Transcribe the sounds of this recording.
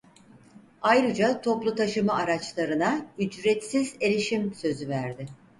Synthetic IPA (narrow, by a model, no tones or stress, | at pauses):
ajɾɯd͡ʒat̪ʰo̞plˠut̪ʰaʃɯmaaɾat͡ʃlˠaɾɯnayd͡ʒɾɛt̪size̞ɾiʃimsø̞zyvæɾd̪ɪ